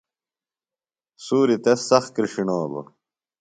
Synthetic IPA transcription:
suːɾit̪esɐxkɾiʂinoːbo̰

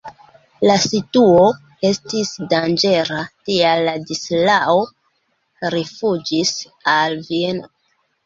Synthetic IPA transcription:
lasituo̞ | e̞stisdand͡ʒe̞ɾatialːadislao | ɾifud͡ʒis | alvie̞no

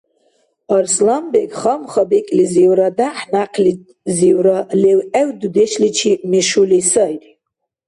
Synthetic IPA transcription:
arslambekʲʼχamχabekʲʼliziwɾadaħnaqʰlit | ziwɾalewʔewdudeʃlit͡ʃʰimiʃulisajtʼ

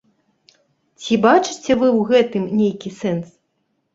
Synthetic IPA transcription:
t͡sʲibat͡ʂɨt͡sʲɛvɨwɣɛt̪ɨmnʲejkʲisɛns

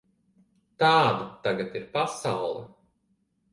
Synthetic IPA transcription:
t̪aːd̪at̪aɡat̪iɾpasawlˠɛ̰

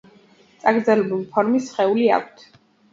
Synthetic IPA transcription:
t̪sʼaɡɾd̪zɛlɛbulˠipʰɔɾmisχɛulia̰kʷʰt̪ʰ

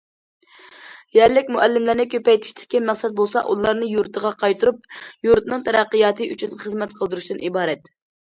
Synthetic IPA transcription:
jæɾlɪkʲmuʔɛlːɪmlɪɾnɪkʲʰøpɛjt̪ʰɪ̥ʃt̪ʰɪ̥kʲːɛmɛχsɛt̪̚bolˠsɑ̰ʔulˠɑɾnɨjuɾt̪ʰəʁɑqʰɑjt̪ʰuɾup̚juɾt̪nɨŋt̪ʰɛɾæqːəjɑːt̪ɨʔyt͡ʃʰynχəzmɛt̪qʰəlˠd̪ɨɾuʃt̪ɨnʔibɑːɾɛt̪

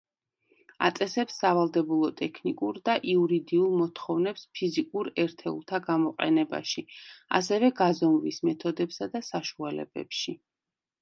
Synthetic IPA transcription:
a̰t̪sʼɛsɛpsːavalˠd̪ɛbulˠɔt̪ʼɛkʰnikʼuɾd̪aʔiuɾid̪iulˠmɔt̪ʰχɔvnɛpspʰizikʼuɾɛɾt̪ʰɛṵlˠt̪ʰaɡamɔqʼɛ̰nɛba̰ʃia̰sɛvɛɡazɔmvismɛt̪ʰɔd̪ɛpsad̪asaʃualɛ̰bɛ̰pʃi

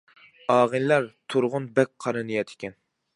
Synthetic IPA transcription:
ɑːʁɨnlæɾt̪ʰuɾʁʊnbɛk̚ʲqʰɑɾɨnɨjɛt̪ʰɪ̥kʲɛn

